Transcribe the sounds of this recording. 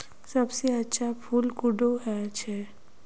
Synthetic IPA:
sɐbseɐtːʃʰapʰulkʊɖoɦɛt͡ʃʰɛ

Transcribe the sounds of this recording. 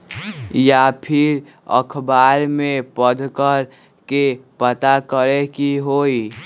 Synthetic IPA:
japʰɪɾ | ə̰kʰbaɾmepəd̪ʱkəɾ | kepət̪akəɾekiɦoi

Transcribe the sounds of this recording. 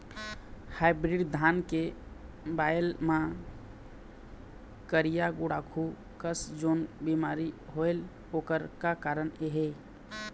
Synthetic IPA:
hajbɾiɖd̪ʱanke | bajlmã | kəɾijaɡuɽakʰu | kəsd͡ʒonbimaɾiɦoel | okəɾkakaɾəneɦe

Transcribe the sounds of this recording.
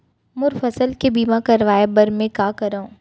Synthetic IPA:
mʊɾfəsəlkebiːmakɐɾʋaːebɐɾmẽkaːkɐɾaõ

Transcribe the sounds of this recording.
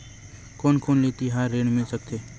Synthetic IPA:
koːnkʰoːnlit̪iɦaːɾːeːnmɪlsək̚t̪eː

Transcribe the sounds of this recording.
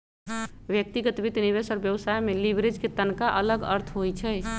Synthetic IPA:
bjək̚t̪iɡət̪bit̪niβesəɾbjəwsajmelibʱɾed͡ʒket̪ənkaʔələɡə̰ɾt̪ʰɦojt͡ʃʰəj

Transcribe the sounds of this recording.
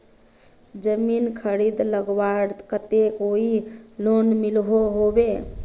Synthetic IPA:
d͡ʒəminkʰəɾid̪ləɡwaɽkət̪ekoilonmilɦoɦobe

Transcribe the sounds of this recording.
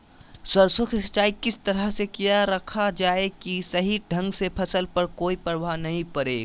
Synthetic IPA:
swɐɾsʊkʰst͡ʃaːikɪst̪ɐɾəɦsekijaɾɐkʰad͡ʒaːekisɐɦiɖʱɐ̃ŋɡsepʰɐsəlpɐɾkoːipɾəbʱanɐɦĩpɐɾḛːɡ

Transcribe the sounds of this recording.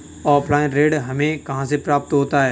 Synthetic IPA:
ɔːpʰlaːɪnɾeːɖɦɐmẽkɐɦãsepɾaːp̚t̪ɦoːt̪aɦɛː

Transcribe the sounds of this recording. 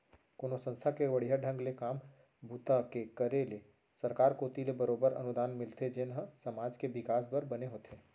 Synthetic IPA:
koːnosə̃nst̪ʰakeʋɐɽ̤iɦaɖʱə̃ŋɡlekaːm | bʱuːt̪akekəɾele | sɐɾkaːɾkoːt̪ilebəɾoːbəɾɐ̰nʊd̪aːnmɪlt̪ʰed͡ʒɪnɦəsɐmaːd͡ʒkeʋɪkaːsbəɾbɐneɦoːt̪ʰeː

